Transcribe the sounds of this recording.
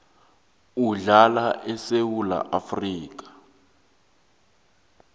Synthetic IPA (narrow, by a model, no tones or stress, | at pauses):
uɮalaʔɛsewula̰ʔafriːk̬ḁ